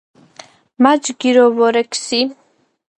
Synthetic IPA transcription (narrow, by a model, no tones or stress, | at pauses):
mad͡ʒɡiɾɔvɔɾɛkʰsi